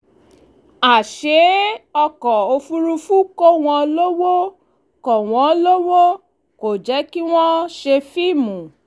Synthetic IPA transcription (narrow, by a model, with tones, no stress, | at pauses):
a˨ʃe˨˦ɔ˧kɔ˨o˧fu˦˧ɾu˧fu˦ko˦w̃ɔ̃˧lo˦wo˦ | kɔ˨w̃ɔ̃˨˦lo˦wo˦ | ko˨d͡ʒɛ˨˦ki˦w̃ɔ̃˦ʃe˧fi˦˨mũ˨